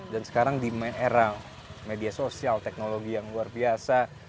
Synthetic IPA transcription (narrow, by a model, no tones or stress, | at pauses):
dansə̥kaɾaŋdimɛʔeɾa | mediasosialt̪ɛk̚noloɡijaŋluarbiasa